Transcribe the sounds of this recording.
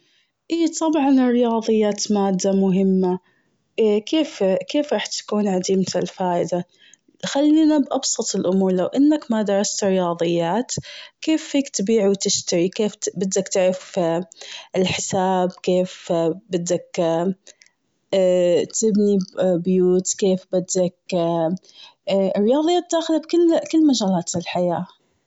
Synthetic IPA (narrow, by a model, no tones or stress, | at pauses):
ʔiːt̪ˤɑbʕɑnɪrːɪjɑːðˤɨjːaːt̪maːd̪ːamʊɦɪmːa | kʰeːfkeːfɾˤɑːħt̪ḁkuːnʕad̪iːmalfaːʔɪd̪a | xalːiːnabʔɑbsˤɑt̪ˤɪlʔʊmuːɾˤlawʔɪnːakmad̪ɑɾˤɑst̪ɾɪjɑːðˤɨjːaːt̪keːfhiːkt̪biːʕwt̪ɪʃt̪aɾikeːfbɪd̪ːakt̪ɪʕɾɑff | ɪlħɪsaːbkeːfbɪd̪ːak | t̪ɪbnibjuːt̪keːfbɪd̪ːak̚ | rːɪjɑːðˤɨjaːt̪̚d̪aːxɪlabkɪlːkɪlːmaʒaːlaːt̪ɪlħajaː